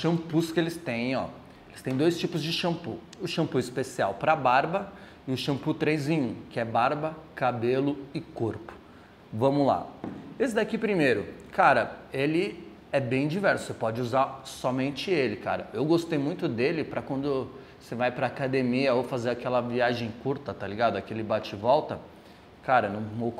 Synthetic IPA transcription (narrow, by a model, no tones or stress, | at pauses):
ʃɐ̃puskɪelɪst̪ẽj̃ɔ̰ | elɪ̥st̪ẽj̃d̪ojst͡ʃipʊzd͡ʒɪʃɐ̃pu | ʊʃɐ̃mpuɪspesia̰wpɾɐbaɾbɐ | ɪʊʃɐ̃put̪ɾejzẽj̃ũkɪɛbaɾbɐkabelʊɪkoɾpʊ̥ | vɐ̃mʊla̰esɪd̪akipɾimejɾʊkaɾɐelɪ | ɛbẽj̃d͡ʒivɛɾsʊ̥sepɔd͡ʒɪuzaɾsɔmẽnt͡ʃɪelɪka̰ɾɐewɡost̪ejmũj̃t̪ʊd̪elɪpɾɐkwɐ̃nd̪ʊ | sevajpɾɐːkad̪emiɐowfazeɾakɛlɐviaʒẽj̃kuɾt̪ɐt̪aliɡad̪ʊakilɪbat͡ʃɪvɔwt̪ɐ | kaɾɐnũmo